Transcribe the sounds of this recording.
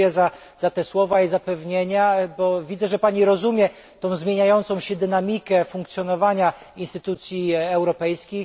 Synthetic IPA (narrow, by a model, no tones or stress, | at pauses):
jɛza | z̥at̪ɛswɔvaizapɛvɲeɲabɔvʲid̪zɛʐɛpaɲiɾɔzumʲjɛ | t̪ɔ̃w̃zmʲjeɲajɔnt̪sɔ̃w̃ɕɛd̪ɘnamʲikɛfuŋk̚t̪sʲjɔnɔvaɲa | inst̪ɘt̪ut̪sʲjiɛwɾɔpɛjskʲix